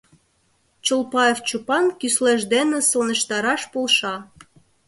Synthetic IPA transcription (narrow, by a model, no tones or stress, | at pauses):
t͡ɕolpɑeft͡ɕupɑnkysleʒd̪enĕsonə̆ʃt̪ɑɾɑʃpolʃɑ